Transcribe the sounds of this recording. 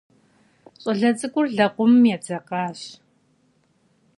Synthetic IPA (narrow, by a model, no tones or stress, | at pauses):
ɕʼɔɮɐt͡sʼɨkʷʼʊrɮɐqʷʊmjɛd͡zɐqɑːɕ